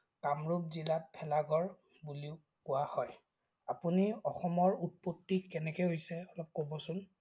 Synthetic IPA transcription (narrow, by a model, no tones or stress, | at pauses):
kamɹup̚zilat̚pʰɛlaɡɔɹ | buliʊ | kʊwahɔj | apuniɔxɔmɔɹut̚potːikɛnɛkɛɦojsɛɔlɔp̚kobɔsʊn